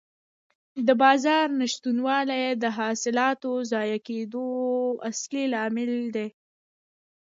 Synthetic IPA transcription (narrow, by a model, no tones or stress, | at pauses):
d̪əbɑzɑɾnaʃt̪unwɑlajd̪əɦɑsɪlɑt̪ozɑjaked̪oa̰slelɑmɪld̪e